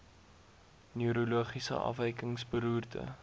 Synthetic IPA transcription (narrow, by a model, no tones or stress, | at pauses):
nyøɾoluəχisə̰ʔɐ̰fɛjkəŋsbəɾuːrtʰə̰